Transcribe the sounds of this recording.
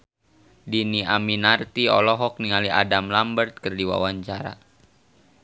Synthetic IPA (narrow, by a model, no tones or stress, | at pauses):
diniʔaminart̪iɔlɔɦɔk̚niŋaliʔa̰damlambərt̪̚kərdiwa̰waɲt͡ʃaɾa̰